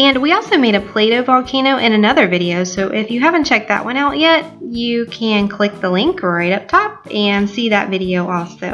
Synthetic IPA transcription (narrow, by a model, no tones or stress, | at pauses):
ɨ̃nwiɔlˠsoʊmeɪɾɨpʰl̥eɪɾoʊvɑlˠkʰẽɪ̃ñoʊʔɨ̃ñɨnʌðə˞vɪɾioʊsoʊʔɪfjɨɦævɨ̃nt͡ʃʰɛk̪̚ðɨ̰ʔ̚wʔʌ̃ɾ̃aʊʔjɛt̚jɨkʰɨ̃nkʰl̥ɪk̚ðəlɪ̃ŋkə˞ɹaɪɾʌp̚tʰɑp̚ɨ̃nsiðɨ̰tvɪɾioʊʔɔlˠsoʊ